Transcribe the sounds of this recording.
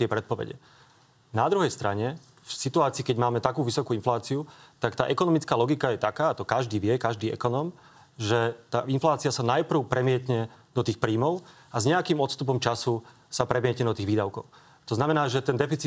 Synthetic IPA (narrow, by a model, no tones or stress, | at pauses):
t̪ɪɛpɾɛt̪̚pɔʋɛ̰ɟɛ̰ | nad̪ɾuɦɛjst̪ɾaɲɛ | fsit̪uaːt͡siːkɛɟmaːmɛt̪akuːʋisɔkuːinflaːt͡siut̪akt̪aːʔɛkɔnɔmit͡skaːlɔɡikajɛt̪akaːt̪ɔkaʒd̪iːʋɪɛkaʒd̪iːɛ̰kɔnɔːm | ʒɛt̪aːinflaːt͡siasanajpr̩ʊpɾʔɛmɪɛcɲɛd̪ɔt̪iːxpɾiːmɔʊ | azɲɛakiːmɔt̪st̪up̬ɔmt͡ʃasu | sapɾɛmɪɛcɲɛd̪ɔt̪iːɣʋiːd̪aʊkɔ̰ʊ | t̪ɔznamɛnaːʒɛt̪ɛnd̪ɛfit͡si